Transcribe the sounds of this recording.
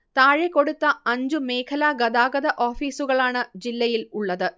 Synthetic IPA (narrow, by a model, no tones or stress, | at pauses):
t̪aːɻekːo̞ɽut̪ːɐɐɲd͡ʑumeːkʰɐlaːɡɐd̪aːɡɐðɐʔoːfiːsuɣɐɭaːɳɨd͡ʑilːɐjiluɭːɐðɨ